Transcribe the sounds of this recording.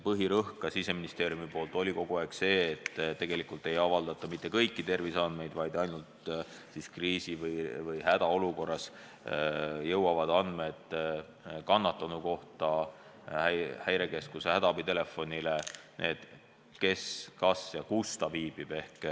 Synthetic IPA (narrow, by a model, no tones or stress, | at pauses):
pɤɦiɾɤhkɑsise̞minist̪e̞ːɾjumipo̞ːlt̪ˑo̞lʲiko̞ɡ̥uɑekse̞ːt̪ːˑt̪ːe̞ɡ̥e̞likult̪ːˑe̞jɑvɑld̪̥ɑt̪ːˑɑmit̪ˑːe̞kɤjkːit̪e̞rvisɑnd̪me̞jd̪̥vɑjd̪ɑjnult̪ | siskriːsivɯjvɯjhæd̪̥ɑo̞luko̞rːɑs | jɤwɑvɑd̪ɑnd̪̥me̞d̪̥ | kɑnːɑt̪ːˑɑnuko̞ht̪ɑ | hæhæjɾe̞ke̞skusehæd̪ɑb̥it̪e̞le̞fːo̞nʲilenʔe̞ːd̪̥ | ke̞skɑsjɑkust̪ɑviːb̥ib̥e̞hk